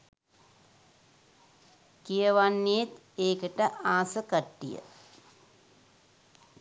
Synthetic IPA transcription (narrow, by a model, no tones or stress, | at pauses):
kijəʋanːeet̪ | eːkəʈəʔaːsəkəʈːḭjə̰